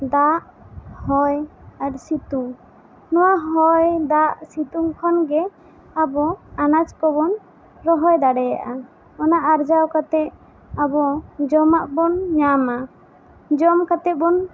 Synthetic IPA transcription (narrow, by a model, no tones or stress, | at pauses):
d̪aʔhɔjaɾsit̪uŋ | nɔwaɦɔjd̪aʔsit̪uŋkʰɔnɡɛ | abɔanat͡ʃkɔbɔn | ɾɔɦɔjd̪aɽɛja̰ʔa | ɔnaʔaɾd͡ʒawkat̪ɛʔ | abɔd͡ʒɔmaʔbɔnɲama | d͡ʒɔmkat̪ɛt̪̚bɔn